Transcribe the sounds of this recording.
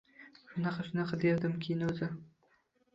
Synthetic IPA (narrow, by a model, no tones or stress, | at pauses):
ʃʊnɑqɑʃʊnɑqɑd̪eɾd̪ɪmkʲʰejɪnɵzɪ